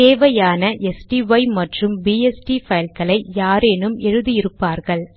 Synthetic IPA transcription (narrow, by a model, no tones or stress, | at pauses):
teːʋɐjaːnɐʔɛsʈiʋɐɪmɐʈrɯmbiːɛsʈifɐjlkɐɭɐɪjaːɾeːnɯmɛɻɯðɪjɪɾɯpːaːɾɣɐɭ